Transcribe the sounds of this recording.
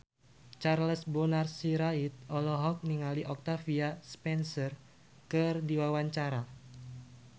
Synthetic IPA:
t͡ʃarləsbɔnarsiɾait̪̚ɔlɔɦɔk̚niŋaliʔɔk̚t̪afiaspɛnsər | kɨrdiwawaɲt͡ʃaɾa

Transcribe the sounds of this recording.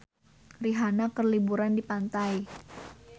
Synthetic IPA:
riɦanakərlibuɾandipant̪aj

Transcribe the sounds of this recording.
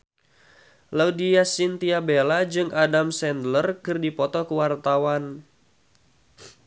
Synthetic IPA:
laudiasint̪iabelad͡ʒɨŋʔadamsɛnd̪lərkɨrdipɔt̪ɔkəwart̪awan

